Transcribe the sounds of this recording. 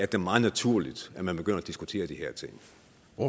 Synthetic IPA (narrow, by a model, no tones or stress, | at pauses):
æɐd̥emɑ̈ːnæt͡sʰuɐ̰lid̥æmænb̥eɡ̥øn̰ɐæd̥isɡ̥ut͡sʰe̝̰ːɐd̥iheɐt͡sʰe̝ŋ̰